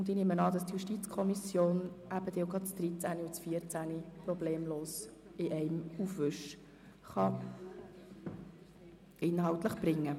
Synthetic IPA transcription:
ʊnd̪inɪmənɑːd̪ɑstjuʃtit͡skʰɔmisjoːnʔæb̥əd̥̪ɛwɡɑt͡sd̪ɾit͡sæniʊt͡sfiəɾt͡sæniprɔbleːmloːsɪʔɛɪmufʋʏʃ | χɑ | ɪnɦɑwt̪ləχb̥ɾɪŋːə

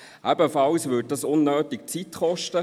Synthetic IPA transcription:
ʔæbəfɑlsvʏd̚dɑsʊnːøːtɪk̚t͡sitχɔʃtə

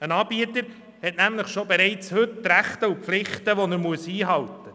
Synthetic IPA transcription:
ənɑːb̥iətəɾ | hɛtnæmləχʃobeɾɛɪt͡shɵtːɾæχt̪əupflɪχtəʋɔnəɾmuəshiːɦɑltə

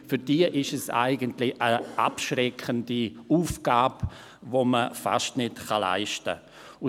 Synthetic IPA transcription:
fyɾd̥iːəʔɪʃɛsa̰ɪɡəntlɪʔəʔa̰pʃrɛkʰəndiuːfɡ̥aːb | voməfa̰ʃtnɪtχɑla̰ɪʃtə̰ | ʊ

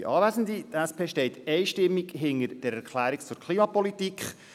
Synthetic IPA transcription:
ʔɑːvæzən̩ditæspeːʃtɛɪtɛɪʃtɪmːiɡɦɪnəɾd̥ɛɾɛɾkχlæːɾikt͡sʊɾkʰliːmɑpɔlitikχ

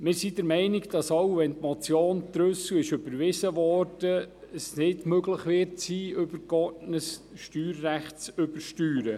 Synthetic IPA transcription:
mɪːɾsidəɾmɛɪnɪɡd̥ɑsowʋɛntmɔt͡sjoːnt̪ɾɵswɪʃʏbəɾʋɪsəʋɔɾd̥ə | əsnɪdmøɡləχʋɪɾtsiːʏbəɾɡ̥ɔtnəsʃtyːɾːæχtt͡sʏbəʃtyːɾə

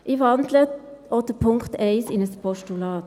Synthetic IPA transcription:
ʔiʋɑnd̪ləɔtəpʰʊŋktɛɪsɪnəspʰɔʃtulɑːt

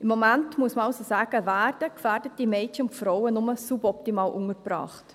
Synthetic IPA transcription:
ɪmːɔmæntmuəsməɑʊsosaːɡ̥əvæːrd̥əkfæːɾdət̚d̥imɛɪtʃəʊntfɾɔwənʊməsubɔptimɑːlʔʊŋəɾb̥ɾɑ̰ːχt

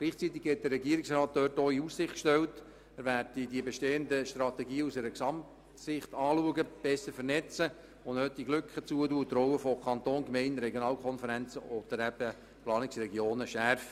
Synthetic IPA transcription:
ɡ̥liːχt͡sit̪ːɪɡ̥hɛt̚d̥̪ərːɛɡiəɾɪksɾɑːt̚d̪œːrtoːiussɪχtkʃtɛwt | æːɾværd̥idiəbeʃteːəndəʃtɾɑt̪ɛɡiːusɛɾəksɑmt | sɪχt̪ɑːluəɡəb̥ɛsəɾfəɾnɛt͡sə | ʊndhøt̪̚d̥iɡlʏkχət͡suətuːt̪rɔwəfɔkʰɑnt̪oːnkmɛɪnɾɛɡjonɑːlkʰɔnfəɾænt͡səɔd̥̪əɾæb̥ə | plɑːnɪksrɛɡjoːnəʃærf

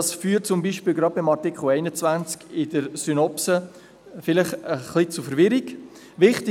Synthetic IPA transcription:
ɑsfyːt̚t͡sʊmbiːʃpiːlɡɾɑːbɪmɑɾtɪkχl̩ɛɪnət͡svænt͡skɪdəɾsynɔpsə | fɪlɪχəχlit͡sʊfəɾvɪɾiɡ | vɪχtɪ

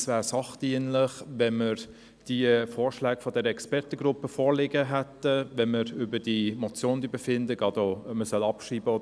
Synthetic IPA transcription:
svæːɾsɑχd̥iənləχʋɛməɾ | d̥iəfɔːɾʃlɛːɡfɔdɛɾəɛkspɛɾtəɡɾʊpːəfɔːɾlɪɡəɦætːəvɛnməɾʏbəd̥imɔt͡sjoːnd̥̪ibəfɪndəɡɑd̪oməsœlɑpʃiːbəɔ

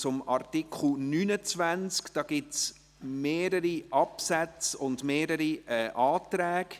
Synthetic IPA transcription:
t͡sʊmɑrtikχl̩nyːnət͡svænt͡skd̥ɑːɡ̥ɪts | meːɾəɾiʔɑpsæt͡sʊndmeːɾəɾiɛʔɑːtɾɛːk

